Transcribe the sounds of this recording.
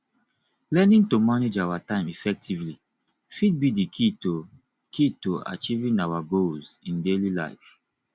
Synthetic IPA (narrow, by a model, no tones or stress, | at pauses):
lɛnĩntomaned͡ʒawatãɪ̃mifɛk̚tʰivli | fit̚bidikʰito | kʰitoa̰t͡ʃivĩnawaɡolzĩndelila̰ɪf